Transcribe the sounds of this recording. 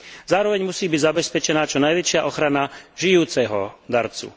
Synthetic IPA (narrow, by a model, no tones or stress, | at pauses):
zaːɾɔʋɛɲmusiːbiɟzabɛspɛt͡ʃɛnaːt͡ʃɔnajʋɛt͡ʃɪaʔɔxɾanaʒijuːt͡sɛɦɔd̪aɾt͡sṵ